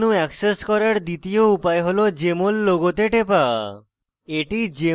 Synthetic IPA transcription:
nuɛkseskɔɾaɾd̪it̪ioupaeɦolod͡ʑemolːoɡot̪eʈepa | eʈid͡ʑe

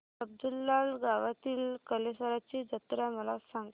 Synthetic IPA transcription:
əb̚d̪ulːalɡaʋat̪iːlkəlesəɾat͡ɕid͡ʑət̪ɾjaməlasãŋɡ

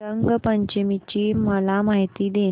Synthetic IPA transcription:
əŋɡpəɲt͡ɕemit͡ɕiːməlamaɦit̪iːd̪e

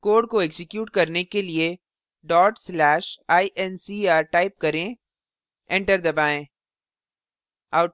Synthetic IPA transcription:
koːɖkoɛɡsɪkjuːʈkɐɾnekelie | ɖɔːʈslɛːʃaːiʔɛnsiaːɾʈaːɪp̚kɐɾẽ | ɛ̃ɳʈəɾd̪ɐbaːẽː | aːʊ

